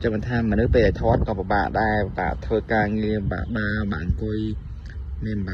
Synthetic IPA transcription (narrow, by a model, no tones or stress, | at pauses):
t͡ɕəŋmɓət̪ʰaːmənɨhpeːlajt̪ʰŏət̪̚kɑːpəɓa̰ːʔɗaɛpɓa̰ːʔt̪ʰʋəːkaːŋiəɓa̰ːʔɓaːɓa̰ːʔŋkʊəj | miənɓa